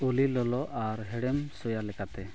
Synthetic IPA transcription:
ulilɔlɔʔaɾɦɛɽɛmsɔjalɛkat̪ɛ

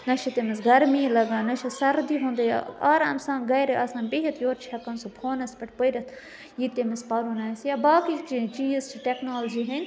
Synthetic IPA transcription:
nɐʃʰit̪emisɡɐɾmiːlɐɡãːnɐʃʰɐsɐɾd̪iɦõːnd̪ejaːɾaːmsãːnɡɐjɾeʔɐsãːnbeɦɐt̪ʰjoːɾt͡ʃʰɐkɐnsupʰoːnɐspɐʈʰpojɾʲɐt̪ʰ | jit̪emispaːɾunaːsjabaːkit͡ʃit͡ʃiːst͡ʃʰiʈeknoːld͡ʒiːɦɐnʲ

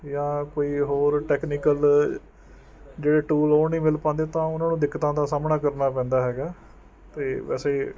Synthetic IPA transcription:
jãːkoːiːɦoːɾʈɛːknikəl | d͡ʒeːɽeːʈuːloːnĩːmɪlpãːnd̪eːt̪ãːʊnãːnũːd̪ɪkːt̪ãːd̪aːsaːmnaːkəɾnaːpɛ̃ːnd̪aːɦɛːɡaː | t̪eːʋɛ̰ːseː

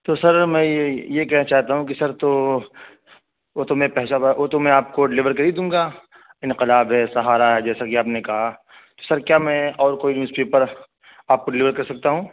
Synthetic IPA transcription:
t̪osɐɾmɛ̃ːjekɛːɦnat͡ʃaːɦt̪aɦũk̬isɐɾt̪o | oːt̪omẽpɛɦʃaoːt̪omɛ̃aːp̚koɖɪlɪʋəɾkɐɾiːd̪ũːŋɡaː | ɪ̃nqɪlaːbɦɛsɐɦaːɾaɦɛd͡ʒɛːsakiaːpnekɐɦa | t̪osɐɾkjaːmɛ̃ɔːɾkoːimɪspiːpɐɾ | aːp̚koɖɪlɪʋəɾkɐɾsɐk̚t̪aɦũː

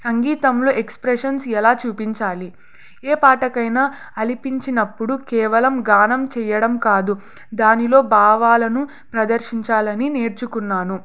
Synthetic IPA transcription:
sɐŋɡiːt̪ɐmloːʔekspɾeʂɐnsɛlaːt͡ʃuːpiɲt͡ʃaːli | eːpaːʈɐkɐjna | ɐlipiɲt͡ʃinɐpːuɽukɛːʋɐlɐmɡaːnɐmt͡ʃɛjɐɽɐmkaːd̪u | d̪aːnilo̞ːbaːʋaːlɐnu | pɾɐd̪ɐɾʂiɲt͡ʃaːlɐnine̞ːɾt͡ʃukunːaːnu

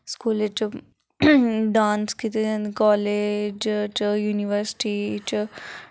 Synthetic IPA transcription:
skuːlet͡ʃ | ɖaːnskit̪ekɔːled͡ʒt͡ʃjuːniʋəɾsʈit͡ʃ

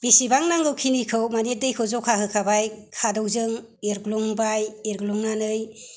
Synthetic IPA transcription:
b̥isibaŋnaŋɡɯwkʰinikʰɯwmanet̚dɯjkʰɯwzɔkʰaɦɯkʰabajkʰadɔwzɯŋ | eɾɡlɔŋbajeɾɡlɔŋnanɯj

